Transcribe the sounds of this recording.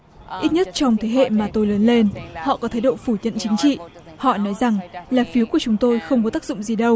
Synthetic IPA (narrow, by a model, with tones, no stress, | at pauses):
ʔi˦˥t̚ɲə˦˥t̚t͡ɕɔ˧wŋ͡mt̪ʰe˨˦ɦḛ˧˨maː˨˩t̪o˧jləː˨˦nle˧nhɔ̰˧˨kɔ˨˦t̪ʰaː˨˦jɗo̰˧˨fu˧˩ɲə̰˧˨nt͡ɕï˨˦ŋ̟t͡ɕḭ˧˨ | hɔ̰˧˨nɔ˨˦jza˨˩ŋlaː˨˩fi˨˦ku˧˩ət͡ɕʊ˨˦ŋ͡mt̪o˧jxə˧wŋ͡mkɔ˨˦t̪aː˦˥k̚zʊ̰˧˨ŋ͡mzi˨˩ɗə˧w